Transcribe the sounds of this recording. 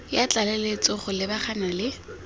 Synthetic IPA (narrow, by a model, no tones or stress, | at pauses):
jat͡ɬʼalelet͡sʼɔχʊlɪbaχanalɪ